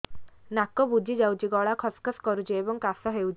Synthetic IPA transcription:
nakɔbud͡ʒid͡ʒawt͡ʃiɡɔɭakʰɔskɔskɔɾut͡ʃiebɔŋkasɔɦewt͡ʃ

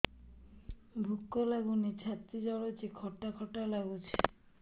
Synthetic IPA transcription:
bʱukːolaɡunit͡ɕʰat̪ːid͡ʑɔɽot͡ɕʰikʰɔʈːakʰɔʈːalaɡut͡ɕʰe̥

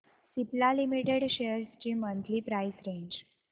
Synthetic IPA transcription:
siplalimiʈeɽɕejəɾst͡ɕiːmənt̪ʰliːpɾaisɾẽɲd͡ʑ

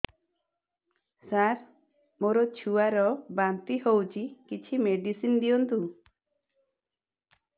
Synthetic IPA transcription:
saɾ | moɾɔt͡ʃʰuaɾɔbant̪ihowt͡ʃʰikit͡ʃʰimeɖisind̪ijɔnt̪u

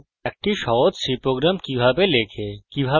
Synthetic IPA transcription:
ɛk̚ʈiʃɔt̪sipɾoɡɾamkibʱapelekʰekibʱa

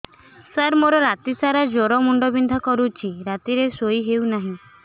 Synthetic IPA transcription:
saɾmoɾɔɾat̪isaɾad͡ʒoɾɔmuɳɖɔbind̪ʱɔkɔɾut͡ʃʰiɾat̪iɾesojɦewnaɦĩ

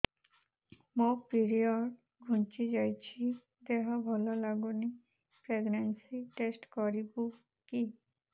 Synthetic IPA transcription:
mopiɾiɔɖ | ɡʱunt͡ʃid͡ʒajt͡ʃʰi | d̪eɦɔbʱɔlɔlaɡuni | pɾeɡnensiʈesʈkɔɾibu | ki

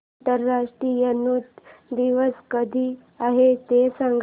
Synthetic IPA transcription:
t̪əɾːaʂʈɾijənuːt̪d̪iʋəskəd̪ʱiː | aɦet̪esaŋɡ

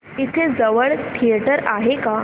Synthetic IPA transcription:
it̪ʰed͡zəʋəɭt̪ʰijeʈəɾaɦeka

